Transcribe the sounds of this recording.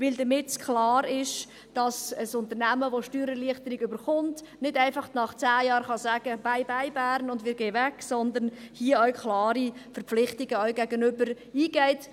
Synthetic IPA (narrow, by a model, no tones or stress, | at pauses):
ʋɪldəmɪtskʰlɑːɾɪʃ | d̥ɑsəsʊntəɾnæməʋoʃtyːɾəliəχtəɾɪɡʏbəɾχʊntnɪdæɪfɑχtnɑχt͡sæːjɑːɾχɑsæɡ̥əb̥aɪbaɪbæːɾnʊndmɪːɾɡeɪvɛksɔnd̪ənhiəœwkʰlɑːɾifəɾpp͡flɪχtɪɡəœwɡæɡənʏbəɾ | iːɡ̥ɛɪt